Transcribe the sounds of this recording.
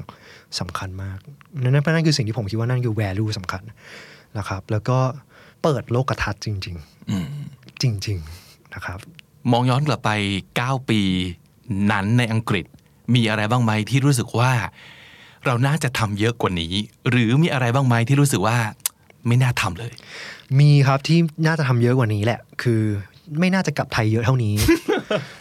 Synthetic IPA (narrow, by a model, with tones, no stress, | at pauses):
ŋsa˨˩˦mkʰa˧nmaː˥˩k̚na˦˥˩na˦˥pʰɔ˧˥na˥nkʰɯː˧si˨ŋʰiː˥˩o˩˦mkʰt̪wa˥˩na˥˩nkʰɯː˧wɛː˧luː˥˩sa˨˩˦mkʰa˧nna˦˥kʰɾa˦˥p̚lɛː˦˥wkɔː˥˩pɤː˨˩t̪̚loː˥˩kːa˧t̪ʰa˦˥t̪̚t͡ɕi˧ŋt͡ɕi˧ŋʔɯː˨˩t͡ɕi˧ŋt͡ɕi˧ŋna˦˥kʰɾa˦˥p̚ | mɔː˧ŋjɔː˦˥nkla˨˩pːa˧jkaː˥˩wpiː˧ | na˦˥nːa˧jʔa˧ŋkɾi˨˩t̪̚ | miː˧ʔa˧ɾa˧jbaː˥˩ŋma˦˥jt̪ʰiː˥˩ɾuː˦˥s̬ɯ˨˩k̚waː˥˩ | ɾa˧wnaː˥˩t͡ɕa˨˩t̪ʰa˧mjɤ˦˥ʔkwaː˨˩nḭː˦˥ɾɯː˩˦miː˧ʔa˧ɾa˧jbaː˥˩ŋma˦˥jt̪ʰiː˥˩ɾuː˦˥s̬ɯ˨˩k̚waː˥˩ | ma˥˩jnaː˥˩t̪ʰa˧mlɤː˧jmiː˧kʰɾa˦˥p̚t̪ʰiː˥˩naː˥˩t͡ɕa˨˩t̪ʰa˧mjɤ˦˥kwa˨˩niː˦˥lɛ˨˩ʔkʰɯː˧ | ma˥˩jnaː˥˩t͡ɕa˨˩kla˨˩p̚t̪ʰa˧jːɤ˦˥t̪ʰa˥˩wniː˦˥